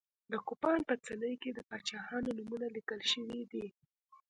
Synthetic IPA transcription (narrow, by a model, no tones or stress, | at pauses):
d̪əkʊpɑnpət͡sələjked̪əpɑt͡ʃɑhɑnonumunalikəlʃəwid̪i